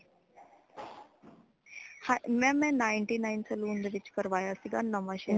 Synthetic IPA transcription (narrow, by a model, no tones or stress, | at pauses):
hamɛ̃mɛ̃naːɪɳʈiːnainsɐluːnd̪əʋit͡ʃkəɾʋaːjasiɡanəmaʃe